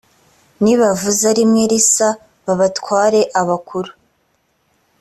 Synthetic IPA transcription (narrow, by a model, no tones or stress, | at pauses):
niβavuzaɾimŋeɾisa | βaβatwaːɾe̞ʔaβakʰuɾu̥